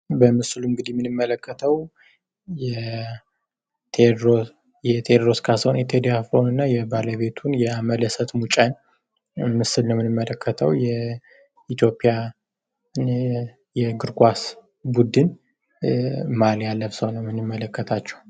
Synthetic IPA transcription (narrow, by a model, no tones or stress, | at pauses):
bəmɨsluɨŋɡɨd̪ijmːɨnɨmːələkʰːət̪ʰəw | jɛ | t̪ʰeo | jɛt̪ʰed̪ɾo̞skʰasəwonjɛt̪ʰed̪jafonɨnːajɛbaləβe̞t̪ʰunjɛamələsət̪mut͡ʃʼan | mɨsɨlnəwmɨnɨmːələkːət̪ʰəwjɛ | it̪jo̞pʼija | jɛɡɨɾɡʼʷas | bud̪ɨn | maljalːəfsəwnəwmɨnɨmːələkːət̪ʰat͡ʃːɛ̥w